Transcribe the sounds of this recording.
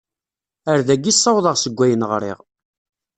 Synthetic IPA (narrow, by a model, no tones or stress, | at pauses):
əɾðæɡːisˤːɑwðˤəʁsəɡʷːæjənʁɾˤḭʁ